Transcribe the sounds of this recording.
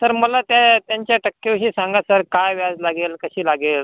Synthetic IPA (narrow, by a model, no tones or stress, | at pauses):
səɾməlat̪jat̪jaɲt͡ɕjaʈəkːewɕiːsãŋɡasəɾkajʋjad͡zlaɡelkəɕiːlaɡel